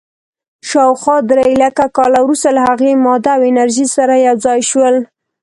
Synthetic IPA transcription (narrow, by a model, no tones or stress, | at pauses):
ʃɑwxwɑd̪ɾeɪlakakɑlawɾust̪alahaɣemɑd̪aːwɪnaɾʒisaɾajawzɑjʃwəl